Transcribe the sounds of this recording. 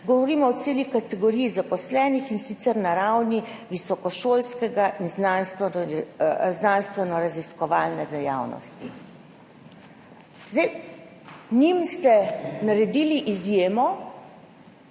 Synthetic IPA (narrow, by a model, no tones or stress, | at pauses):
ɡɔʋɔɾiːmɔɔt̪seːlikat̪ɛɡɔɾijːzapɔslɛːnixinsit̪sɛɾnaɾawniʋisɔkɔʃoːlskɛɡaʔinznanst̪ʋɛ | znanst̪ʋɛnɔɾaziskɔʋaːlnɛd̪ɛjawnɔ̰st̪ḭ | zd̪ɛj | nimst̪ɛnaɾɛd̪iːliʔizjeːmɔ